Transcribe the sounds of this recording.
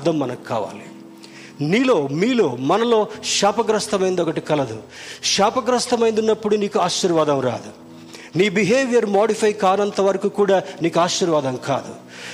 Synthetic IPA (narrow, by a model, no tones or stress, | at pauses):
d̪ɐmːɐnɐku̥kːa̰ːʋa̰ːli | niːlo̞ːmiːlo̞ːmɐnɐlo̞ːʂaːpɐɡɾɐst̪ɐmɐjind̪ɔkɐʈikɐlɐd̪u | ʃaːpɐɡɾɐst̪ɐmɐjnd̪unːɐpːuɽuniːkuaːʃiɾʋaːd̪ɐmɾa̰ːd̪u | niːbiɦeːʋjɐɾmaːɖipʰɐjkaːnɐnt̪ɐʋɐɾɐkuːkuːɽaːniːkuaːʃːiɾʋaːd̪ɐmka̰ːd̪u